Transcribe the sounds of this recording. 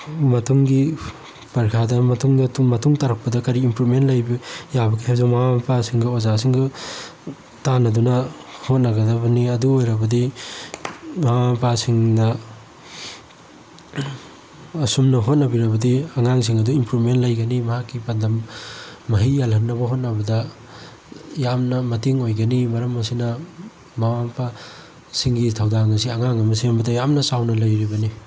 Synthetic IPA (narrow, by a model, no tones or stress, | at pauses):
mɐtʰuŋɡi | pɐɾkʰadɐmɐtʰuŋdɐtumɐtʰuŋtaɾɐk̚pɐdɐkɐɾiːmpɾupmentlajbɐjabɐkihewzawmawampasiŋɡɐozas̬iŋɡɐ | tanɐdunɐhot̚nɐɡɐdɐbɐniɐduojɾɐbɐdi | mawapasiŋnɐ | ɐsumnɐɦot̚nɐbiɾɐbɐdiɐŋaŋs̬iŋɐduimpɾumentlɐjɡɐnimɐɦakːipɐndɐmː | ɐɦijjalɦɐnːɐbɐɦot̚nɐbɐdɐ | jamnɐmɐtiŋojɡɐnimɐɾɐmɐsinɐ | mawampʰa | siŋɡitʰawdaŋɐs̬iɐŋaŋɐmɐsimbɐdɐjamnɐsawnɐlɐjɾibɐni